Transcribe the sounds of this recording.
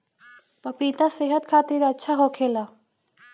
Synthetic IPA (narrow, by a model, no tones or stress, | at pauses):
pɐpiːt̪aseːɦət̪kʰaːt̪iɾɐtːʃʰaɦokʰeːlaː